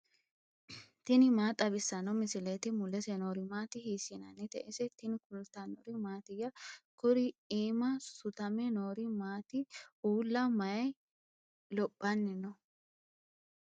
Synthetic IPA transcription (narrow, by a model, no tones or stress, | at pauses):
t̪ɪnɪmaːt̪ʼːɐbɪsːɐnɔmɪsɪlet̪ɪmʊlɛsɛnoːɾɪmaːt̪ɪhiːsɪnɐnːɪt̪ɛʔɛsɛt̪ɪnɪkʊlt̪ːɐnɔɾɪmaːt̪ɪjːɐkʊɾɪiːmɐsʊt̪ɐmɛnoːɾɪmaːt̪ɪʔuːlːɐmɐjɐj | lɔpʼːɐnːɪnɔ